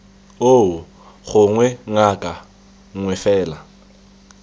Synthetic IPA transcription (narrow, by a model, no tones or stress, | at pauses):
oʊ | χʊŋwɛŋakʼa | ŋwɛfɛːla